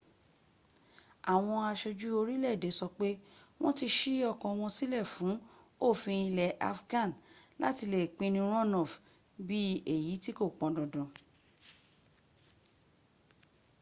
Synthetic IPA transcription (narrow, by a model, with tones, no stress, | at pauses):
a˨w̃ɔ̃˧a˧ʃo˧d͡ʒu˦o˧ɾi˦lɛ˦˨de˨˦sɔ˧k͡pe˦w̃ɔ̃˦ti˧ʃi˦ɔ˦˨kɔ̃˨˧w̃ɔ̃˧si˦lɛ˦˨fũ˨˦ | o˦˨fĩ˧ĩ˧lɛ˨ʔa˧fɡã˦˨nla̰˦ti˧le˨k͡pĩ˧˦nĩ˧ɾ̃ɔ̃˦˨nɔ˨f | bi˦e˦˨ji˨˦ti˦ko˦˨k͡pɔ̃˧dɔ˨dɔ̃˨